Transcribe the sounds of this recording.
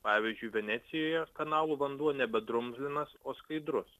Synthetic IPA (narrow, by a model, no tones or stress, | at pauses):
pɑːʋʲiːzʲd͡ʒʲʊɪʋʲɛnʲæːt̪sʲɪjoːjɛkɐnɑːlˠuːʋɐnd̪uɔnʲɛbʲɛd̪ɾʊmʲzʲlʲɪnɐsoːskɐɪd̪ɾʊs